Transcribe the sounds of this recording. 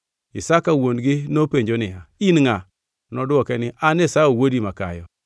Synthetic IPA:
isakawondɡɪnopeɲd͡ʒonɪɦainŋa | nɔdʊɔkɛnɪʔanesaowodimaka̰jɔ̰

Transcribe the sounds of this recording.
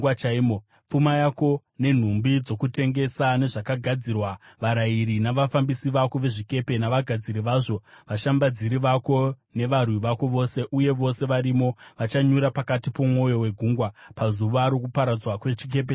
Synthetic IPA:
wat͡ʃaimo | p͡fumajako̞ | ne̞n̤umbid͡zo̞kute̞ŋɡe̞sane̞ʐakaɡʱad͡zirwaʋaɾaiɾinaʋafambisiʋako̞ʋe̞ʐike̞pe̞naʋaɡʱad͡ziɾiʋaʐo̞ʋaʃambad͡ziɾiʋako̞ | ne̞ʋarwiʋako̞ʋo̞se̞ʔuje̞ʋo̞se̞ʋaɾimo̞ʋat͡ʃaɲuɾapakatipo̞mwo̞jo̞we̞ɡʱuŋɡwapazuʋaɾokupaɾad͡zwakwet͡ʃik̬e̞p̬e

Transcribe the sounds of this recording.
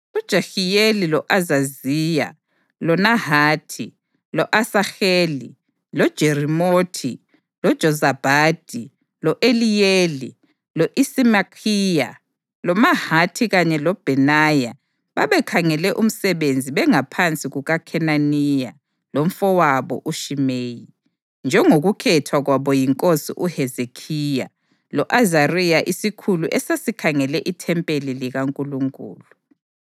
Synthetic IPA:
ud̥ʒ̥ʱaxijelilɔʔazaziːja̰ | lɔnahaːtʰi | lɔʔasaxeːlḭ | lɔd̥ʒ̥ʱeɾimotʰi | lɔd̥ʒ̥ʱɔzab̥ʱaːd̥ʱi | lɔʔelijeli | lɔʔisimakʰiːja̰ | lɔmahatʰiɣaɲɛlɔb̥ʱɛnaja | βa̰βɛkʰaŋɛlɛʔum̩sɛβend͡zʱiβɛŋapʰant͡sʼiɣuɣakʰɛnanija | lom̩fɔwaβɔ̰ʔuʃimeːji | nd͡ʒʱɛŋoɣukʰɛtʰwaɣwaβɔjiŋkʼosḭʔuhɛzekʰija̰ | lɔʔazarijaʔisikʰuluʔɛsasikʰaŋɛlɛʔitʰɛmpʼeliliɣaŋkʼuluŋkʼṵːlu

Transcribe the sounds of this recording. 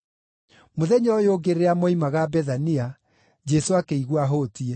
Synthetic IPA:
moðɛɲɔjoɡeɾeamɔimaɣabɛðania | d͡ʑɛsoakeiɣwaɦotie

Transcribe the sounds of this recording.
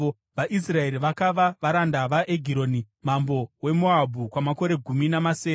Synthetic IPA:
o | ʋaʔisrae̞ɾiʋakaʋaʋaɾandaʋaʔeɡʱiɾoːni | mambo̞we̞moabʱukwamako̞ɾe̞ɡʱuminamaseː

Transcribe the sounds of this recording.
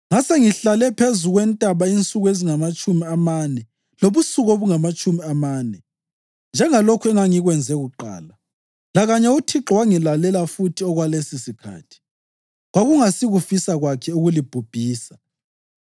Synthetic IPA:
ŋaseŋiɬalɛpʰezuɣwɛntʼaβaint͡sʼuɣweziŋamat͡ʃʼumiamanɛ | loβusuɣoβuŋamat͡ʃʼumiamaːnɛ | nd͡ʒʱɛŋalokʰuɛŋaŋiɣwɛnd͡zʱɛɣuǃa̰ːla | laɣaɲɛutʰiǁwaŋilalɛlafutʰiɔɣwalesisikʰa̰ːtʰi̥ | ɣwaɣuŋasiɣufisaɣwakʰɛuɣulib̥ʱub̥ʱiːsḁ

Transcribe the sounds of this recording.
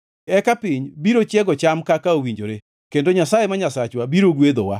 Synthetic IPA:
ɛkapiɲbiɾot͡ʃjɛɡɔt͡ʃamkakaowiɲd͡ʒoɾe | kendoɲasajemaɲasat͡ʃwabiɾoɡwed̪o̰wa̰

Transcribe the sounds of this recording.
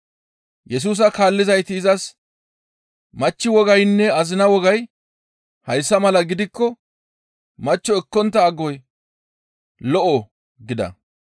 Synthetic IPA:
jɛs̬uːs̬ɐkaːlːɪzɐjt̪ɪːzɐs | mɐt͡ʃːɪwɔɡɐjnːɛɐzɪnɐwɔɡɐj | hɐjsːɐmɐlɐɡɪd̪ɪkːɔ | mɐt͡ʃːɔɛkːɔnt̪ːɐːɡɔj | lɔʔɔ | ɡɪd̪ɐ̰

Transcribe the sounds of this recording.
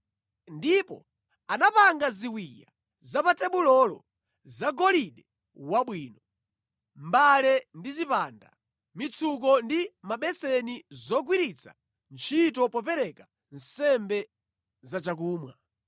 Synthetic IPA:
ndipɔ̰ | anapaŋɡaziwija̰ | zapatɛɓulɔlɔ̰ | zaɡɔliɗɛ | waɓwiːnɔ | mbalɛndizipaːnda̰ | mit͡sʰuk̬ɔndimaɓɛsɛnizɔɡwiɾit͡sʰa̰ | nt͡ʃʰitɔpɔpɛɾɛka | n̩sɛmbɛ | zat͡ʃak̬uːmwa

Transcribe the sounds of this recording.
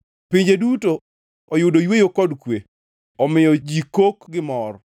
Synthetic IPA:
piɲd͡ʒeduto | ɔjʊdojwejokɔdkwe | ɔmɪjɔd͡ʒikokɡɪmɔr

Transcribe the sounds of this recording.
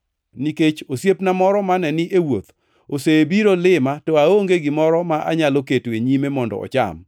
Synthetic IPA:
niket͡ʃosjepnamɔɾɔmanɛnɪʔewot̪ | osebiɾolɪmatɔaoŋɡeɡɪmɔɾɔmaʔa̰ɲaloketweɲimemɔndɔ̰ɔ̰t͡ʃa̰m

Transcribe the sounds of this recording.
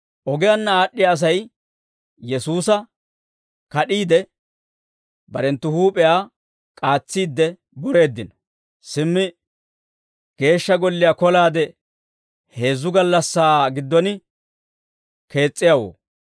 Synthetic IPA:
ʔɔɡɛjanːɐaːɗːɪjaːs̬ɐj | jɛsuːsɐ | kɐɗiːd̪ɛ | bɐɾɛnt̪ːʊhuːpʼɛjaː | kʼaːt͡sːiːd̪ːɛ | bɔɾe̞ːd̪ːɪnɔ̥ | sɪmːɪ | ɡ̥e̞ːʃːɐɡɔlːɪjakɔlaːd̪ɛ | he̞ːzːʊɡɐlːɐsːaːɡɪd̪ːɔnɪ | ke̞ːt͡sʼːɪjawo̰ː

